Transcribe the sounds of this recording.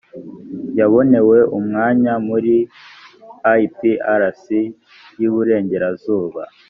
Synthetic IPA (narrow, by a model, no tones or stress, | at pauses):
jaβo̞ne̞we̞ʔumŋaːɲamuɾi | ajpiaɾasi | juβuɾe̞ːɲɟe̞ɾazuːβa